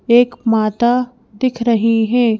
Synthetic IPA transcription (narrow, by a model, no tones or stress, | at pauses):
eːkmaːt̪a | d̪ɪkʰɾɐɦiɦɛ̃ː